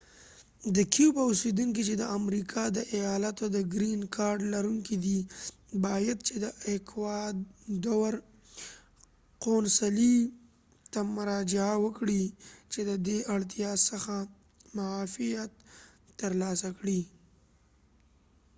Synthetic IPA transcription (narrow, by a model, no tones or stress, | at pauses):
d̪əkiupəʊsed̪uŋkit͡ʃed̪əʔamɾikʰɑd̪əʔajɑlat̪od̪əɡɾinkʰɑɾɖlaɾuŋkid̪i | bɑjad̪̚t͡ʃed̪əekwɑd̪d̪awaɾ | qonsali | t̪amʊɾɑd͡ʒɪawəkɽit͡ʃed̪əd̪eʔaɽt̪jɑsəxa | mʊɑfijat̪ː | əɾlɑsakɽi